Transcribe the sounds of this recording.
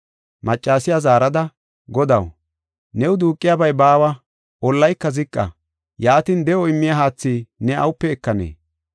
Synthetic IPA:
mɐt͡ʃʼːaːsɪjazaːɾɐd̪ɐ | ɡɔd̪ɐw | nɛwʊd̪uːkʼːɪjaːbɐjbaːwɐ | ɔlːɐjkːɐzɪkʼːɐ̰ | jaːt̪iːnd̪ɛʔɔɪmːɪjɐɦaːt͡sːiːnɛɐ̰wʊpːɛːkːɐnḛː

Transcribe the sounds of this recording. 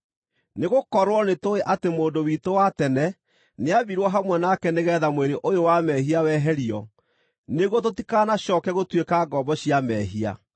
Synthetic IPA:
neɣokɔɾwɔnetoeʔatemoːndowitowatɛnɛ | neaβiɾwɔɦamwɛnakɛneɣɛːðamweɾeʔojowamɛɦiawɛːɦɛɾiɔ | neɣɔt̬otikanaɕɔkɛɣotwekaɡɔbɔɕiamɛɦia̰

